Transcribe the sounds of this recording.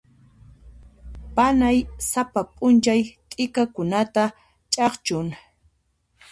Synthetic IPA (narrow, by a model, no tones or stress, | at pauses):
panajsapapʼʊnt͡ʃajt̪ʼɪkakʊnat̪a | t͡ʃʼɑχt͡ʃʊŋ